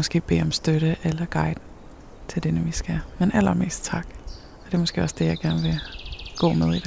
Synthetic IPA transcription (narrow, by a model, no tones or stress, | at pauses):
mɒ̽sɡ̥e̝̰ːb̥e̝̰ːɒ̽msd̥øɾəʔelɐɡ̥ɑ̈ɪd̥ | t͡sʰe̝ld̥enəʋisɡ̥æmenʔæl̰ɐme̝̰ːsd̥̚t͡sʰɑ̈ɡ̥ | ɒɐd̥e̝mɒsɡ̥e̝̰ːɒ̽sd̥e̝jɑ̈ɪɡ̥æɐnʋe̝ɡ̥ɔ̰̽ːmeð̞ˠid̥e